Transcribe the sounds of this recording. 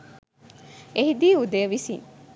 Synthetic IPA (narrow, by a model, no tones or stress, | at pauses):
ehid̪iːud̪eːʋisḭŋ